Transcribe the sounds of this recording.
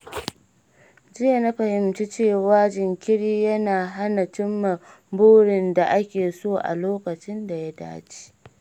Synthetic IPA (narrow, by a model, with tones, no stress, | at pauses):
d͡ʒɪ˦ja˨na˦ɸɐ˨hɪ˨mt͡ʃi˦t͡ʃeː˦˨waː˦d͡ʒɪ˨ŋkʲɪ˦ɽiː˦jɐ˦naː˨ɦa˦na˨t͡ʃɪ˦mːa˨ | boː˦ɽɪ˨nda˨ʔa˦kʲeː˨soː˦ʔa̰˨loː˦kɐ˨t͡ʃɪ˦nda˨ja˦da̰ː˦t͡ʃi̥ː˦